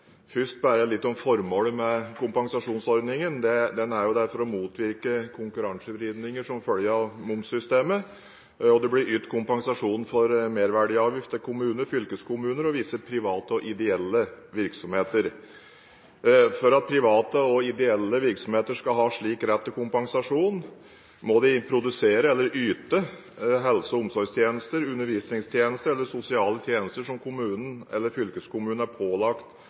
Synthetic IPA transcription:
fʏʂʈ̪̚bæːɾəlɪt̪ːɔmfɔɾmoːləmɛkʰʊmpɑŋsɑʂuːnsɔɾd̪nɪŋənd̪ɛd̪ɛnæɾjʊd̪æɾfɔɾɔmuːt̪ʰʋɪɾkəkʰʊŋkʉɾɑŋsəbɾiːd̪nɪŋəʂɔmfœljəɑʋmʊmsʏst̪eːmə | ɔd̪ɛblɪɾʏt̪ːkʰʊmpɑŋsɑʂuːnfɔɾmeːɾʋæɖɪɑːʋjɪft̪əkʰʊmʉːnəɾfʏlkəskʰʊmʉːnəɾɔʋiːsəpʰɾɪʋɑːt̪əɔʔɪd̪ɛɛlːə | ʋɪɾksɔmheːt̪əɾ | fɔɾɑt̪̚pʰɾɪʋɑːt̪əɔɪd̪ɛɛlːəʋɪɾksɔmheːt̪əʂkɑlɦɑːʂɭiːkɾɛt̪ːəkʰʊmpɑŋsɑʂuːn | mɔd̪ɪpʰɾʊd̪ʉseːɾəɛlːəɾyːt̪ə | ɦɛlsəʊmsɔɾɡst̪ʰjeːnəst̪əɾʉnːəɾʋiːsnɪŋst̪ʰjeːnəst̪əɾɛlːəsʊsɪɑːlət̪ʰjeːnəst̪əʂɔmkʰʊmʉːnn̩ɛ̰lːəɾfʏlkəskʰʊmʉːn̩æɾpʰoːlɑkt̪

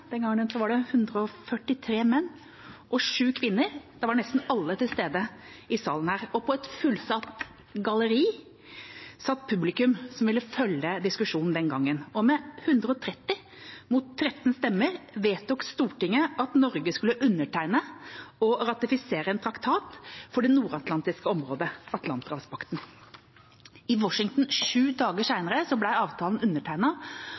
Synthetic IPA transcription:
d̪ɛnɡɑŋːənsɔʋɑɖɛhʉnd̪ɾəɔfœʈɪt̪ʰɾeːmɛnː | ʔɔʂʉːkʰʋɪnːəɾd̪̥ɑʋɑɳɛst̪n̩ɑlːət̪ɪlst̪eːd̪əɪsɑ̰ːlən̩hæːɾɔpʰɔɛt̪fʉlsɑt̪ | ɡɑləɾiː | sɑt̪ːpʰʉblɪkʉmsɔmʋɪlːəfœljəd̪ɪskʉʂuːnn̩d̪ɛnɡɑŋːənɔmɛhʉnd̪ɾəɔt̪ʰɾɛt̪ːɪ | mʊt̪ʰːɾɛt̪ːn̩st̪ɛmːəɾʋeːt̪ɔkst̪uːʈɪŋːəɑt̪nɔɾɡəskʉləʔʉnːəʈʰæɪnəɔɾɑt̪ɪfɪseːɾəɛnt̪ʰɾɑkt̪ʰɑːt̪fɔɖɛnuːɾɑt̪lɑnt̪ɪskəɔmɾoːd̪əɑt̪lɑnt̪ʁɑfspʰɑkt̪n̩ | ɪwɔʂɪŋt̪n̩ʂʉːd̪ɑːɡəʂæɪnəɾəsɔblæɪɑːʋt̪ʰɑːln̩ʉnːəʈʰæɪnɑ

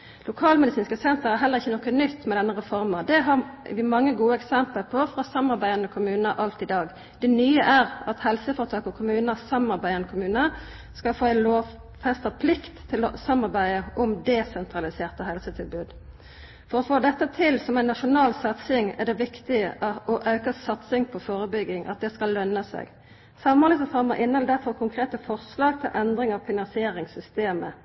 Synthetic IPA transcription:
lʊkʰɑːlmɛd̪ɪsiːnskəsɛnt̪əʁæʁɦɛləʁɪçːənɔkːənʏt̪ːmɛd̪ɛnːəʁɛfɔʁməd̪ɛɦɑʋɪmɑŋːəɡuːəɛksɛmpəlpʰɔfʁɑsɑmːɑʁbæɪɑnəkʰʊmʉːnəɾʔɑlt̪ɪd̪ɑːɡ | d̪̥ɛnyːəʔæʁɑt̪hɛlsəfɔʁət̪ʰɑːkɔkʰʊmʉːnəssɑmɑʁbæɪɑnəkʰʊmʉːnə | skɑlfoːæɪnloːʋ | fɛst̪əpʰlɪkt̪ʰːɪlɔsɑmɑʁbæɪəʔɔmd̪ɛsɛnt̪ʰʁɑlɪseːʁt̪əɦɛlsət̪ʰɪlbʉːd̪ | fɔɾɔfoːd̪ɛt̪ːət̪ʰɪlsɔmæɪnːɑʂʊnɑːlsɑt̪sɪŋɛ̰d̪ɛʋɪkt̪ɪəʔɔʔɑʉkəsɑt̪sɪŋpʰɔfoːɾəbʏɡːɪŋʔɑ̰t̪̚d̪ɛskɑllːœnːəsɛ̰ɡ | sɑmɑlɪsəfɑʁməʁʔɪnːəɛld̪æfɔʁkʰʊŋkʰʁeːt̪əfɔʁslɑːɡ̚t̪ʰɪlʔɛnd̪ɾɪŋɑʋfɪnɑnsɪeːɾɪŋsʏst̪eːmə̰

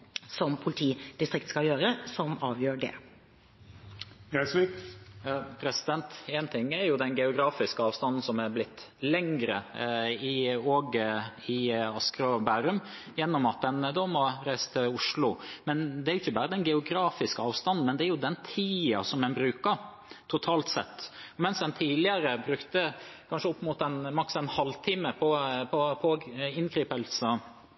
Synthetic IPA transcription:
sɔmpʰʊlɪt̪ʰiːd̪ɪst̪ɾɪk̚t̪skɑjøːɾəsɔmɑːʋjøːɖɛ̰ | jæsi | pʰɾɛsɪd̪ɛnt̪eːnt̪ʰɪŋːæɾjʊd̪ɛnɡɛʊɡɾɑːfɪskəɑːʋst̪ɑnːn̩sɔmæɾblɪt̪ː | lɛŋɾəɪoːɡɪɑskɾɔbæːɾʉm | jɛnːɔmɑt̪̚d̪ɛnəd̪ɔːmɔɾæɪst̪ʰəʊʂlʊmɛnd̪ɛæɾʊɪçːəbɑːɾəd̪ɛnɡɛʊɡɾɑːfɪskəɑːʋst̪ɑnn̩mɛnd̪ɛæɾjʊd̪ɛnt̪ʰiːɑsɔmːɛnbɾʉːkəɾ | t̪ʰʊt̪ʰɑːlt̪sɛt̪ːɔmɛnsd̪ɛnt̪ʰiːlɪəɾəbɾʉkt̪əkʰɑnʂəɔpːmʊt̪ɛnmɑksɛnhɑlt̪ʰiːməpʰɔpʰɔpʰoɪnkʰɾiːpəlsə

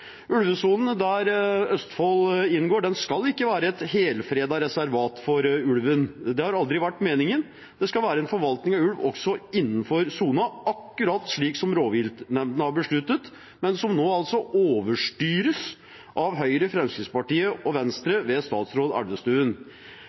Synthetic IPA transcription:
ʉlʋəsuːln̩d̪æɾœst̪fɔlɪnɡoːɖɛnskɑlɪkːəʋæːɾəɛt̪heːlfɾeːd̪ɑɾɛsæɾʋɑːt̪fɔɾʉlʋənd̪ɛhɑɾɑld̪ɾɪʋæʈːmeːnɪŋən | d̪̥ɛskɑlʋæːɾəɛnfɔɾʋɑlt̪nɪŋɑʋʉlʋɔ̰ksɔɪnːn̩fɔɾsuːnɑʔɑkːʉɾɑːt̪ːʂɭiːksɔmɾoːʋɪlt̪nɛmd̪nəhɑɾbəʂɭʉt̪ːət̪ | mɛnsɔmnoːɑlt̪sɔʔoːʋəʂʈyːɾəs | ʔɑʋɦœʏɾəfɾɛmskɾɪːspɑʈiːəɔʋɛnst̪ɾəʋɛst̪ɑːt̪sɾoːd̪æ̰ɖəst̪ʉːən

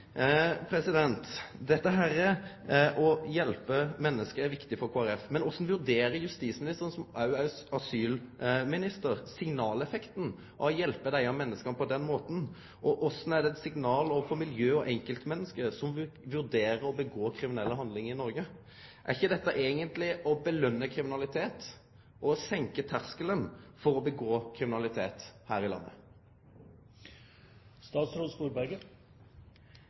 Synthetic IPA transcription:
pʰɾɛsɪd̪ɛnt̪d̪ɛt̪ːəɦæːɾɛ | ʔɔjɛlpəmɛnːəskəɾæɾʋɪkt̪ɪfɔɾkʰoːæɾɛfmɛnɔsn̩ʋʉɾd̪eːɾəɾjʉst̪iːsmɪnɪst̪əɾənsɔmɑʉɑsyːlmɪnɪst̪əɾsɪŋnɑːlɛfɛkt̪n̩ | ʔɔjɛlpəd̪æɪɑmɛnːəskɑnpʰɔd̪ɛnːmoːt̪n̩ | ʔɔʔɔsnɛd̪ɛɛt̪sɪŋnɑːlɔʋəfɔmɪljøːɔʔɛŋkəlt̪mɛnːəskəsɔmʋʉʁd̪eːʁəɔbəɡoːkʰʁɪmɪnɛlːəɦɑnd̪lɪŋɪnɔɾɡə | ʔæ̰ʁɪçːəd̪ɛt̪ːəʔeːɡənt̪lɪʔɔbəlœnːəkʰɾɪmɪnɑlɪt̪ʰeːt̪ | ʔɔsɛŋkət̪ʰæʁskələnfɔɾɔbəɡoːkʰʁɪmɪnɑlɪt̪ʰeːt̪hæːɾɪlɑ̰nːə̰ | st̪ɑːt̪sɾust̪uːɾbæɾɡə

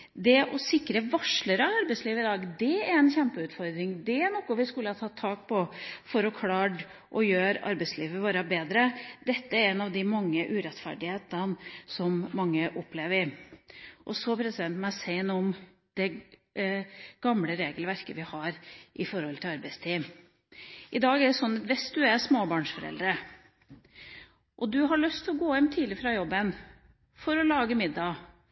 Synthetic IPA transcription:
d̪ɛʔɔsɪkːɾəʋɑʂɭəɾɑɑɾbɛɪsliːʋəɪd̪ɑːɡd̪ɛæɾɛnçɛmpəʉːt̪fɔɾd̪ɾɪŋd̪ɛænɔkːʊʋɪskʉlːəɑt̪ʰɑːt̪ʰːɑːk̚pʰɔfɔɾɔkʰlɑːɖ | ʔɔjøːɾɑ̰ɾbɛɪsliːʋəʋoːɾəbeːd̪ɾəd̪ɛt̪ːəæɾɛnːɑʋd̪ɪmɑŋːəʔʉɾɛt̪fæ̰ɖɪheːt̪ənsɔmmɑŋːəʔɔpːleːʋəɪ | ʔɔsɔpʰɾɛsɪd̪ɛnt̪mæsɛɪnɔm | d̪̥ɛ | ɡ̥ɑmɽəɾeːɡəlʋæɾkəʋɪhɑɾʔɪfɔɾɔlt̪ʰɪlɑɾbæɪst̪ʰiːm | ʔɪd̪ɑːɡæɖɛsɔnːɑt̪ʋɪsd̪ʉæɾsmoːbɑːɳʂfɔɾɛ̰ld̪ɾə | ʔɔd̪ʉɦɑɭœst̪ʰɪlɔɡoːɛmt̪ʰiːd̪lɪfɾɑjɔbːən | fɔɾɔlɑːɡəmɪd̪ːɑ

